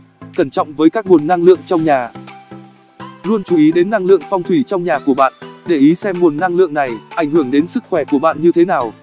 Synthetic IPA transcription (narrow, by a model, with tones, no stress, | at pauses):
kə˧˩nt͡ɕɔ̰˧˨wŋ͡mvəː˨˦jkaː˦˥k̚mu˨˩ənːa˧ŋlɨ̰˧˨əŋt͡ɕɔ˧wŋ͡mɲaː˨˩ | lu˧ənt͡ɕu˨˦ʔi˨˦ɗe˨˦nːa˧ŋlɨ̰˧˨əŋfɔ˧wŋ͡mt̪ʰwi˧˩t͡ɕɔ˧wŋ͡mɲaː˨˩ku˧˩əɓa̰ː˧˨nɗe˧˩ʔi˨˦sɛ˧mːu˨˩ənːa˧ŋlɨ̰˧˨əŋna˨˩jʔa˧˩jŋ̟hɨ˧˩əŋɗe˨˦nsɨ˦˥k̚xwɛ˧˩ku˧˩əɓa̰ː˧˨nɲɨ˧t̪ʰe˨˦naː˨˩w